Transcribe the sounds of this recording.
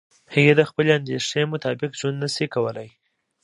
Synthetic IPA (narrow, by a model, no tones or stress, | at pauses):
həɣed̪əxpəleand̪eʂnemʊt̪ɑbɪkʒwand̪nəsikawəlaj